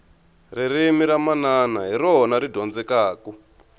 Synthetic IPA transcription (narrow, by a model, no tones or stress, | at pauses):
ririmiɾamananaɦiɾɔɦɔnaɾidʱɔnd͡zɛkaːku